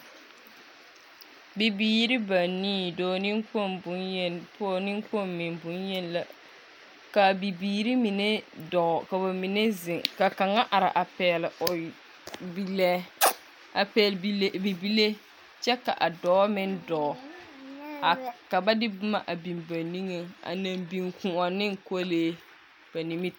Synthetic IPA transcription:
bɪ˨biː˦ɾɪ˦ba˨nːiː˦dɔː˨nɪ˦ŋko˦ʊ˦pʊ˦˨nɪ˦ŋko˦mːɪ˨nbʊ˨˦njɛ˦nla˦ | ka˨bi˨biː˨ɾi˦mi˨ne˦dɔ˨ka˨ba˨mi˨ne˦zɪ˨ŋka˨ka˨ŋa˦ʔa˨ɾɪ̰˨ʔa˨pɛː˨lɪ˨ʔʊ˨ | bi˦lɛ˦ | a˨pɛ˨lbi˨bi˦le˦ | t͡ʃɛ˦ka̰˨ʔa˨dɔ˦mɪ˦ndɔ˨ | a˨ka˨ba˦dɪ˦bʊ˦ma̰˨ʔa˨bi˨mba˨ni˦ŋe˨a̰˨na˨mbi˨ŋkũ˨a˨nɪ˦ŋko˦leː˦ | b̥a˨ni˨mi˦t

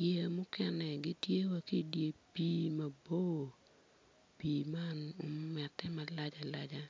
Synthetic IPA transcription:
je˨mʊ˦kɛ˦nɛ˨ɡi˦tje˦wa˦ki˦dje˨piː˦ma˨bo˦˨ | pi˨ma˦no˦mɛtːɛ˦ma˨la˦d͡ʒa˨la˦d͡ʒa˦

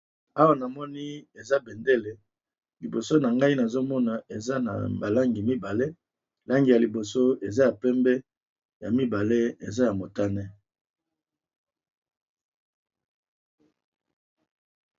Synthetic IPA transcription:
a˦wa˨na˨mɔ˦ni˦e˨za˦bɛ˨nde˦le˨ | li˨bo˨so˦na˨ŋɡa˦i˦na˨zo˦mɔ˦na˨e˨za˦na̰˨ba˨la˦ŋɡi˨mi˦ba˨le˦ | la˦ŋɡi˨ja˨li˨bo˨so˦e˨za˦ja˨pɛ˦mbɛ˦ | ja˨mi˦ba˨le˦ḛ˨za˦ja˨mo˨ta˦nɛ˦

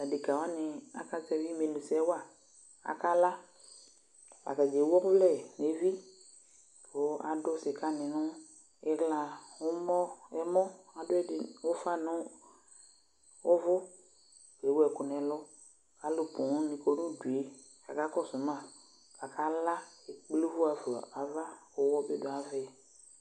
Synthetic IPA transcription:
a˨di˨ka˨wa˦nɪ̃˨a˨ka˦tɛ˦vi˦mẽ˨lu˨sɛ˦wa˦˨ | a̰˨ka˦la˦ | a̰˨ka˨d͡ʒe˨˦wɔ˦vlɛ˦˨ne˨vi˦ | wo˦a˨dʊ˦sɪ˨ka˦nɪ̃˨nʊ̃˦ | ɛ˦ɣla˨wʊ˦mɔ̃˦ɛ˦mɔ̃˦a˨dʊ˦ɛ˦dɪ˨wo˦fa˦nʊ̃˦ | o˦vʊ˦ | e˨˦wɛ˨kʊ˨nɛ̃˨lɔ˦ | ka˨˦lʊ˨pʊ̃˨˦nĩ˨ko˨nũ˦du˨e˦ | ka˨ka˦kɔ˦sʊ˨mã˦˨ | ka˨kʰa˦la˦e˨k͡pli˦vʊ˦a˨fu˨a̰˨ʔa˨va˦o˦wɔ˦be˦do˨a˨vɛ˦˨

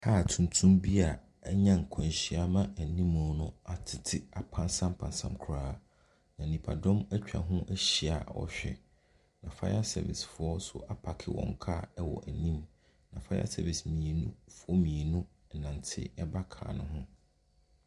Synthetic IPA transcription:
haː˦˨tʰũ˨n˨tʰũ˦mbi˦a˨ | ɛ˦ɲã˦ŋ̩˨kʰɔ̃˨n˨ɕi˨a˦mã˦æ˨nĩ˦mʊ̃˨˦nʊ̃˦a˨tʰɪ˨tʰɪ˦a˨pʰã˦nsã˦mpʰã˨nsã˨mkʰʊ˨ɾaː˦ | nã˨nĩ˨pʰa˨dɔ̃˦mæ˦t͡ɕᶣa̰˨ɦʊ̃˦ʔæ˦ɕi˨a̰˨wɔ̰˦ɕᶣɛ̰˨ | nã˨fa̰˦ja˦sɛ̰˨vɪ̰˨sfʊ˨ɔ˦sʊ̰˨ʔa˦pʰa˨kʰɪ̰˦wɔ̰̃˨ŋ˨kʰa˦˨ɛ˦wɔ̰˨ʔæ˨nĩ˦m | nã˨fa˦ja̰˦sɛ˦˨vi˨smĩ˨e˨nũ˦fʊ˦ɔ˦mĩ˨e˨nũ˦ | ɛ˨nã˨ntʰɪ̰˦ɛ˦ba˦kʰa̰ː˨nʊ̃˦ɦʊ̃˦

